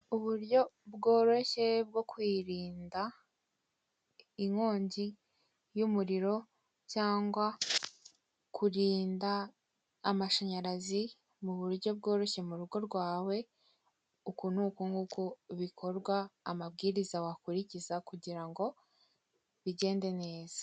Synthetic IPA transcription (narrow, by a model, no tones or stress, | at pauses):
uβuɾjo̞bɡo̞ːɾo̞çe̞b̚ɡo̞kwiːɾiːnda | iŋo̞ːɲɟi | jumuɾiɾo̞ | caːŋɡwa | kʰuɾiːndaː | maʃaɲaɾazi | muβuɾɟo̞b̚ɡo̞ːɾo̞çe̞muɾuɡo̞ɾɡwaːwe̞ | ukun̥huːkuŋɡukuβikʰo̞ɾɡwaːmab̚ɡiːɾizawakuɾicizakuɟiɾaŋɡo̞ | βiɟe̞ːnde̞ne̞ːz̥ḁ